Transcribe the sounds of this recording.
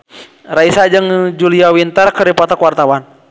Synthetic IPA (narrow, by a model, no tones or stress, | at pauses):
raisad͡ʒɨŋd͡ʒuliawint̪ərkəɾipat̪akuwart̪awan